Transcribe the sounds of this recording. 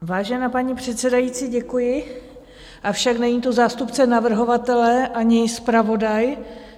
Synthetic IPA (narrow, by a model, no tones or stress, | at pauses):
vaːʒɛnaːpaɲipr̝̥ɛt̪sɛdajiːt͡siːɟɛkujɪ | ʔafʃaknɛɲiːt̪o̞zaːst̪upt͡sɛnavr̩ɦo̞vat̪ɛlɛʔaɲɪspɾavo̞daj